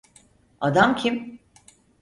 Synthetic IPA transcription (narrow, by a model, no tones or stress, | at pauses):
ad̪amcʰim